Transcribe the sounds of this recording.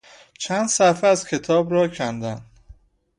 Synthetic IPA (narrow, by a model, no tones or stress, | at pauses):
t͡ʃʰænd̪sæfeæzcʰe̞t̪ʰɒːbɾɒːcʰænd̪æn